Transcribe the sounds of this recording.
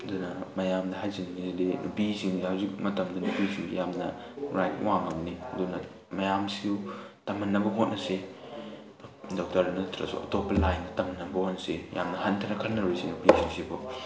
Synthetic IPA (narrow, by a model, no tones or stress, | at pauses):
ɐdunɐmɐjamdɐɦajzinnizidinupisiŋsihawzik̚mɐtɐmdunupisiujamnɐ̰ɾajt̚waŋɐmniɐdunɐ | mɐjamsiutɐmɐnːɐbɐɦot̚nɐse | dok̚tɐɾɐnɐtʰɾɐ̰sṵɐ̰topːɐlajnɐtɐmɐnːɐbɐhotnseja̰mnɐhantʰɐnɐkʰɐlnɐɾusinupisʰiŋsibo